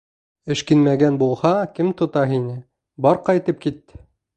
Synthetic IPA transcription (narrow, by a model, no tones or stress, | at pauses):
ɘ̆ʃkɘnmæɡænbulˠhɑkɘmt̪ŏt̪ɑɦinɘ | bɑɾqɑjt̪ɤp̚kit̪ː